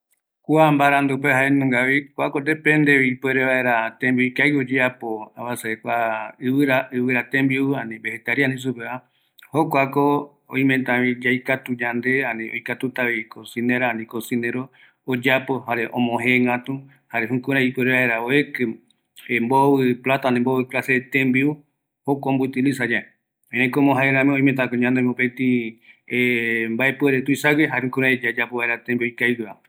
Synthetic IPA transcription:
kuambaɾãnd̪upehaenũŋɡaβikʷakod̪epẽnd̪eβipweɾeβae̞ɾat̪ẽmbioikajod͡ʒeapoaβasaekʷaɨβɨɾaɨβɨɾat̪ẽmbiuɨanĩbehet̪aɾianĩs̬upeβa | hokʷako | õ̰ĩmẽnt̪ãβid͡ʒajkat̪ud͡ʒand̪e̞ãnĩʔo̰jkat̪ut̪aβikosĩnẽɾanĩkosĩnẽɾoː | d͡ʒapo̞ɦaɾeʔõ̰mõɦeŋat̪u | haɾeɦũkũɾ̃ãit̪uɾeaeɾaoekɨ | emboβɨplat̪anẽmboβɨklaset̪ẽmbiu | hokombut̪ilisad͡ʒae | eɾẽkomõɦaeɾãmẽõĩmẽt̪akoɲãnd̪emopet̪iembaepɨeɾet̪uisaɡeɦaeũkũɾ̃ãd͡ʒad͡ʒapoβaeɾat̪ẽmbiojkajɾua

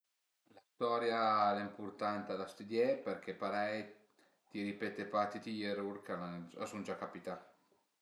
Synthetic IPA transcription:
last̪ɔːɾjaɛlaimpurt̪ant̪alast̪ud̪jɛpeɾk̟ʰepaɾɛj | t̪iɾipet̪epat̪ːit̪ijeɾuɾkalaa̰sund͡ʒakːapit̪a

